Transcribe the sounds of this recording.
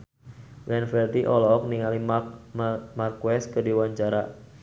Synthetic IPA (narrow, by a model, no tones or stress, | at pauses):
bɛnfɛrd̪iʔɔlɔɔk̚niŋali | markwɛskədiwaɲt͡ʃaɾa